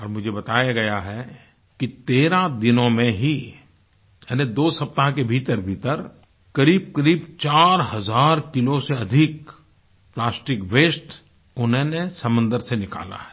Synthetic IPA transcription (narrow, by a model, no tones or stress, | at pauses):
ɔːɾmʊd͡ʒʱebɐt̪aːjaɡɐjaɦɛ | kit̪eːɾãd̪ɪnõmẽɦi | ɛːned̪oːsɐp̚t̪aɦkebʱiːt̪əɾbʱiːt̪əɾ | kɐɾiːb̚kɐɾiːbt͡ʃaːɾɦɐzaːɾkɪloseɐd̪ʱɪk | plaːsʈɪkʋeːsʈ | ʊnɦẽnesɐmə̃nd̪əɾsenɪka̰ːla̰ɦɛ̥ː